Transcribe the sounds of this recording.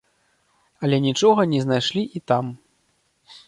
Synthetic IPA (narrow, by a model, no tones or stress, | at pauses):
ɐlʲɛnʲit͡ʂɔɣɐnʲɛznajʂlʲiʔit̪am